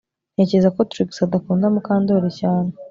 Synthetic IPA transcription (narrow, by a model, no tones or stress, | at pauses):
ne̞ːcezako̞tɾiksadakuːndamukaːndo̞ɾecaːne